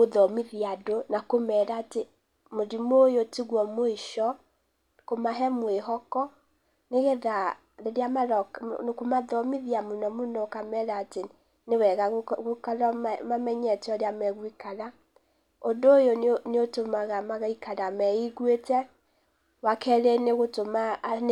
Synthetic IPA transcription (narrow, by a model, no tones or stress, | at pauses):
moðɔmiðiadonakomɛɾaːte | moɾimojotiɣwɔmoiʃɔ | komaɦɛmweɦɔkɔ | neɣɛða | ðeɾeamaɾɔkkomaðɔmiðiamonɔmunɔkamɛɾaːte | newɛɣaɣɣokaɾɔmamɛɲɛtɛɔɾeamɛɣwikaɾa | ondoːjoneotomaɣamaɣaikaɾamɛiɣwetɛ | wakɛɾɛneɣotoma